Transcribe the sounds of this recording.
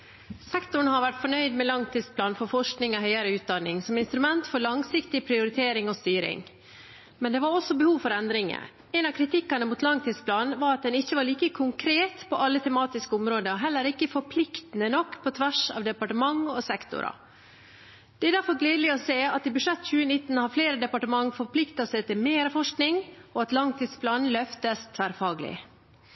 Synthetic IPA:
sɛkt̪ʊɳəhɑɾʋæʈfɔɳœʏd̪mɛlɑŋt̪ʰɪd̪spʰlɑːnfɔɾfɔʂknɪŋɔɦœʏɑɾəʉːt̪̚d̪ɑnːɪŋsɔmɪnst̪ɾʉmɛnt̪fɔɾɭɑŋsɪkt̪ɪpʰɾɪʊɾɪt̪ʰeːɾɪŋɔst̪yːɾɪ̰ŋ | mɛnd̪ɛʋɑɾɔsɔbəhuːʋfɔɾɛnd̪ɾɪŋə̰ | ɛɪnɑʋkʰɾɪt̪ɪkːɑnəmuːt̪lɑŋt̪ʰɪd̪spʰlɑːnʋɑːɾɑt̪̚d̪ɛnɪçːəʋɑɾɭiːkəkʰʊŋkʰɾeːt̪pʰɔʔɑlːət̪ʰɛmɑːt̪ɪskəʊmɾoːd̪əɔɦɛlːəɾɪkːəfɔɾpʰlɪkt̪ənənɔkːpʰɔt̪ʰʋæʂɑ̰ːʋd̪ɛpɑʈəmɑŋɔsɛkt̪ʊ̰ɾɑ̰ | d̪̥ɛæɾd̪æɾfɔɾɡleɪd̪lɪɔseːɑt̪ɪbʉʂɛt̪ːc͡çʉːənɪt̪ːn̩hɑːfleːɾəd̪ɛpɑʈəmɑŋːfɔɾpʰlɪkt̪ɑsɛɪt̪ɪlmeːɾəfɔʂknɪŋɔɑt̪lɑŋt̪ʰiːd̪spʰlɑːnlœft̪əst̪ʰʋæːɾfɑːɡlɪ̰

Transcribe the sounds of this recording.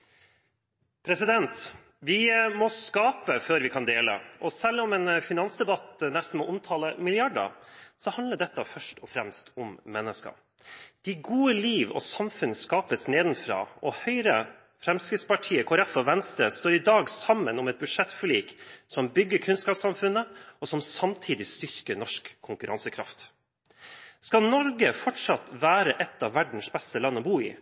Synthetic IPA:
pʰɾɛsɪd̪ɛnt̪ | ʋɪmɔskɑːpəføːɾʋɪkʰɑnd̪eːlə̰ʔɔsɛlːɔmɛːnfɪnɑnsd̪ɛbɑt̪nɛst̪n̩mɔʔʊmt̪ʰɑləmɪlɪɑɖə̰sɔhɑnd̪ləɖɛt̪ːəfœʂʈɔfɾɛmst̪ʰʊmːɛnːəskə̰ | d̪̥ɪɡuːəliːʋɔ̰sɑmfʉnəskɑːpəsneːd̪n̩fɾɑ̰ːʔɔhœʏɾə | fɾɛmskɾɪt̪spɑʈʰiːəkʰɔɾɛfɔʋɛnst̪ɾəst̪oːɾɪd̪ɑːɡsɑmːənɔmɛt̪̚bʉʂɛt̪ːfɪliːksɔmbʏɡːəkʰʉnskɑːpsɑmfʉnːəɔsɔmsɑmt̪ʰiːd̪ɪst̪ʏɾkənɔʂkʰːʊŋkʉɾɑ̰nsəkʰɾɑ̰ft̪ | skɑlnɔɾɡəfɔʈʂɑt̪ʋæːɾəʔɛt̪ːɑʋːæɖɳ̩sbɛst̪əlɑnːəɔbuːḭː

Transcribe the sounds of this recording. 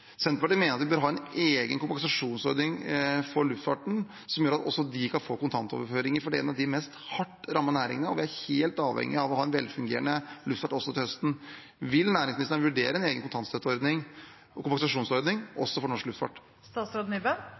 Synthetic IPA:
sɛnt̪bɑʈəmeːnəɾɑt̪ʋɪbøːɾɦɑːɛneːɡənkʊmpɛŋsɑʂuːnsɔɾd̪nɪŋfɔɾɭʉft̪fɑʈɳ̩ | sɔmjøːɾɑt̪ɔ̰sːɔd̪ɪkʰɑnfoːkʊnt̪ʰɑnt̪ɔ̰ʋəɾføːɾɪŋəɾfɔɖɛɛ̰nɑʋd̪ɪmɛst̪hɑʈːɾɑmːɑnæːɾɪ̰ŋənəɔʋɪæɾheːlt̪ɑːʋhɛ̰ŋːɪɑʋɔhɑːɛnʋɛlːfʉŋɡḛːɾənəlʉft̪fɑʈɔsːɔt̪ɪlhœst̪n̩ | ʋɪlnæːɾɪŋsmnɪst̪əʋʉɖeːɾəɛneːɡənkʊnt̪ʰɑnt̪sɛt̪ɔɾd̪nɪŋ | kʊmpɑŋsɑʂuːnsɔɾd̪nɪŋʔɔ̰sːɔfɔɾɳɔʂklʉft̪fɑ̰ʈ | st̪ɑːt̪sɾɑd̪nybə

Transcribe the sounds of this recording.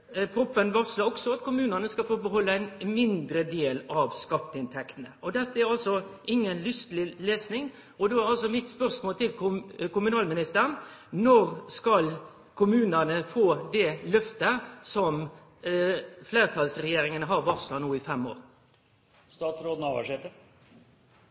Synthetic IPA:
pʰɾʊpːənʋɑsləɔksɔɑt̪kʰʊmʉːnənəskɑlfoːbəɦɔlːəæɪnmɪnd̪ɾəd̪eːlɑʋskɑt̪ːəɪnt̪ʰɛkt̪nəɔd̪ɛt̪ːəæɾɑlsɔʔɪŋːənlʏst̪lɪleːsnɪŋ | ɔd̪ɛæʁɑls̬ɔmɪt̪spœʁsmoːlt̪ʰɪlkʊmʉnɑːlmɪnɪst̪əɾənnɔɾskɑl | kʰʊmʉːnənəfoːd̪ɛlœft̪əsɔm | fleːʁt̪ʰɑlsɾɛjeːɾɪŋənəɦɑɾʋɑʁslɑnuːɪfɛmːo̰ːʁ | st̪ɑːt̪sɾoːd̪n̩ɑʋæ̰ʂeːfə

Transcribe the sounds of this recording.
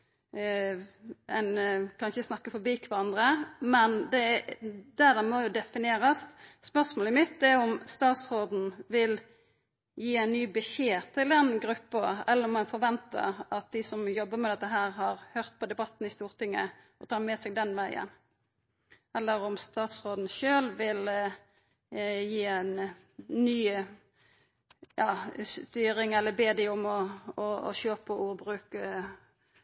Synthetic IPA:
ɛɪnkʰɑnçəsnɑkːəfɔbikʰʋæɾɑnd̪ɾəmɛnd̪ɛd̪æd̪ɛmɔjʊd̪ɛfɪnɪeːɾɑsspœʁʂmoːlɪmɪt̪ːɛɔmst̪ɑːt̪sʁoːd̪n̩ʋɪl | jiːæɪnnyːbəʃeːt̪ʰɪld̪ɛnɡɾʉpːɑɛlːəɾɔmɛnfɔɾʋɛnt̪ə̰ɾɑt̪̚d̪ɪsɔmjɔbːəmɛd̪ɛt̪ːəɦæːɾɦɑɾhøːʁt̪̚pʰɔd̪ɛbɑt̪ːn̩ɪst̪uːʁt̪ʰɪŋːə | ɔt̪ʰɑːmɛːsɛɡ̚d̪ɛnʋæɪə̰n | ɛlːəɾɔmst̪ɑːt̪sʁoːd̪n̩ʃøːlʋɪl | jiːæɪn | nyː | jɑːst̪yːɾɪŋɛlːəbeːd̪ɪʊmɔɔɔ̰ʃøːpəʔuːʁbʁʉːk

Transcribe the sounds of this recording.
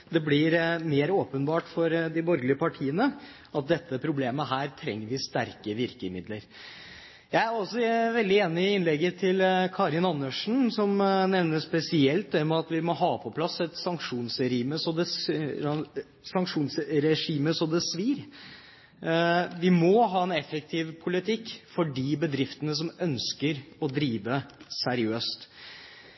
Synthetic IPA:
d̪ɛblɪɾmeːɾoːpənbɑːʈfɔɾd̪ɪbɔɾɡlɪəpɑʈʰiːənə | ʔɑt̪̚d̪ɛt̪ʰːəpʰɾʊbleːməɦæːɾt̪ʰɾɛ̰ŋːəɾʋɪst̪æɾkəʋɪɾkəmɪd̪ləɾ | jæɪæɾɔsɔʋɛld̪ɪeːnɪɪɪnlɛɡət̪ʰɪlkʰɑːɾɪnɑnːəʂɳ̩sɔmnɛʋnəspɛsɪɛlt̪̚d̪ɛmɛɑt̪ʋɪmɔɦɑːpʰɔpʰlɑsɛt̪sɑŋkʂuːnsɛiːməsɔd̪ɛs | sɑŋkʂuːnsɾɛʂiːməsɔd̪ɛsʋiːɾ | ʋɪmɔɦɑːɛnɛfək̚t̪ʰɪːʋpʰʊlɪt̪ʰɪkːfɔɖiːbəd̪ɾɪft̪ənəs̬ɔmœnskəɾɔd̪ɾiːʋəsæɾɪøːst̪

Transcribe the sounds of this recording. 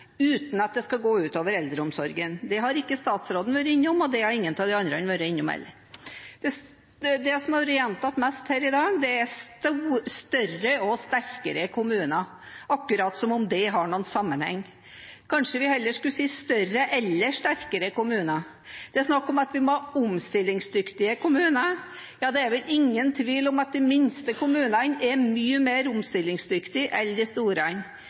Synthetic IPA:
ʉːt̪n̩ɑt̪̚d̪ɛskɑɡoːʉːt̪oːʋəɾɛld̪ɾəʊmsɔɾɡənd̪ɛɦɑɾɪkːəst̪ɑːt̪sɾoːd̪n̩ʋøːɾəɪnːʊmɔd̪ɛɑɾɪŋːənt̪ɑʋd̪ɛɑnd̪ɾəɛnʋøːɾəɪnːʊmɛ̰lːəɾ | d̪̥ɛs | d̪ɛsɔmɑɾɪɛnt̪ɑt̪mɛst̪hæːɾɪd̪ɑːɡd̪ɛæst̪uːst̪œrəɔst̪æɾkəɾəkʰʊmʉːnɑ | ʔɑkːʉɾɑːt̪sɔmɔmd̪ɛɦɑɳuːnsɑmːənhɛ̰ŋː | kʰɑnʂəʋɪhɛlːəʂkʉlsiːst̪œɾəʔɛlːəʂt̪æɾkəɾəkʊmʉːnɑ | d̪̥ɛæsnɑkːɔmɑt̪ʋɪmɔʊmst̪ɪlːɪŋsd̪ʏkt̪ɪəkʊmʉːnə | jɑːd̪ɛæɾʋɛlɪŋːənt̪ʰʋiːlɔmɑt̪̚d̪ɛmɪnst̪əkʰʊmʉːnəɑnɛmyːəmeːɾʊmst̪ɪlːɪŋsd̪ʏkt̪ɪʔɛnd̪ɪst̪uːɾəɑn

